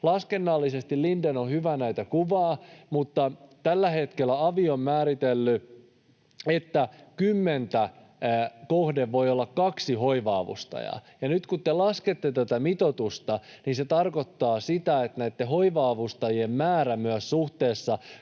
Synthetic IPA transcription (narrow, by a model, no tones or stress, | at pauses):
lɑskenːɑlːisest̪illindenohyʋænæit̪ækuʋɑːmut̪ːɑt̪ælːæhet̪kelːˑæɑʋiommæːɾit̪elːy | et̪ːækymːent̪æ | kohdeʋːo̞jolːɑkkɑksiɦo̞iʋɑːʋṵst̪ɑ̰jɑ̰jɑnyt̪kut̪t̪elɑsket̪ːet̪æt̪æmit̪ot̪ust̪ɑninset̪ɑrkot̪ːɑːsit̪æet̪næit̪ːeɦoiʋɑːʋust̪ɑjiemmæːɾæmyæssuht̪eːsːɑ